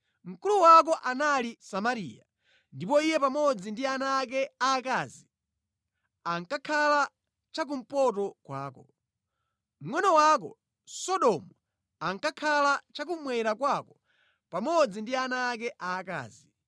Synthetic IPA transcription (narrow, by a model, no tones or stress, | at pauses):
m̩kuluwak̬ɔʔanalisamaɾḭːja̰ | ndipɔijɛpamɔd͡zindianaːk̬ɛaːkaːzi | aŋkakʰala | t͡ʃak̬um̩pɔtɔkwa̰ːkɔ | m̩wɛnɔwak̬ɔ̰ | sɔɗɔmu | aŋkakʰalat͡ʃak̬umwɛɾakwakɔ | pamɔd͡zindianaːkɛʔaːka̰ːzi